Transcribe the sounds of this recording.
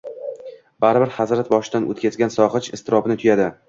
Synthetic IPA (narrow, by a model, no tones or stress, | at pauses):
baɾɪbɪɾhazɾat̪bɒʃɪd̪anʔo̰t̪kʲazɡʲansɒʁɨt͡ʃɪst̪ʰɪɾɒbɪnɪt̪ʰʊjad̪ɪ